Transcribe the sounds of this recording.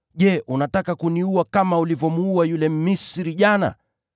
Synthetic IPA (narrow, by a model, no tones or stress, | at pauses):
ʄɛʔunatakakuniuakamaulivɔmuuajulɛmisɾiʄana̰